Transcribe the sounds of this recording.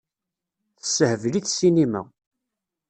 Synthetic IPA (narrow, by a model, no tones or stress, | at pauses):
θə̥səhəvliθsinimæ̰